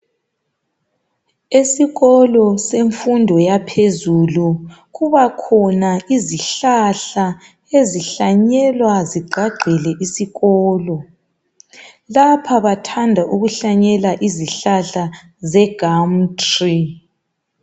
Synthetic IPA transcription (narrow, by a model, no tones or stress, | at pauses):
esiɣɔlɔseɱfundʱɔjapʰezulu | ɣuβakʰɔnaiziɬaɬa | eziɬaɲɛlwaziɡ͡ǃʱaɡ͡ǃʱɛlɛʔisiɣɔːlɔ | lapʰaβatʰandʱaʔuɣuɬaɲɛlaʔiziɬaɬa | zɛɡ̥ʱam̩tʰʼri